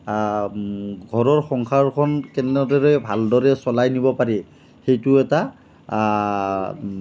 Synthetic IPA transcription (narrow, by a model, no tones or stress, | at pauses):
ɡʱɔɹɔɹxɔŋkʰaɹkʰɔnkɛnɔdɔɹɛbʱaldɔɹɛsɔlajnibɔpaɹi | xejtʊɛta